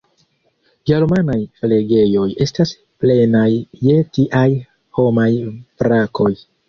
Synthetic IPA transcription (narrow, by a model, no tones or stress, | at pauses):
ɡe̞ɾmanajle̞ɡe̞jo̞je̞stas | ple̞najːe̞tiʔaj | ho̞majbɾakʰo̞j